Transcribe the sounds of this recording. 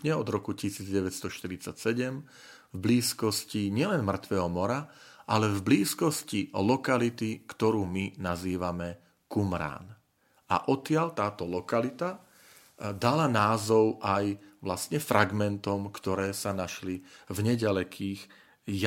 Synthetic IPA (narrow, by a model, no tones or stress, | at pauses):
ɲɛɔd̪ɾɔkucisiːd͡zɟɛʋɛtst̪ɔʃt̪iɾit͡sacsɛɟɛm | vbliːskɔsciɲɪɛlɛnmr̩t̪ʋɛːɦɔmɔɾaʔalɛvbliːskɔscilɔkalit̪ikt̪ɔɾuːminaziːʋamɛ | kumɾa̰ːn | a̰ʔɔt̪ɪaʎt̪aːt̪ɔlɔkalit̪a | d̪alanaːzɔʊʔajʋlasɲɛfɾaɡmɛnt̪ɔmkt̪ɔɾɛːsanaʃlivɲɛɟalɛkʰiːx | j